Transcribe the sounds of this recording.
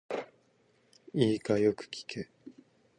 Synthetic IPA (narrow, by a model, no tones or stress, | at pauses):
iːkajokɯ̟̥kʲi̥kʰe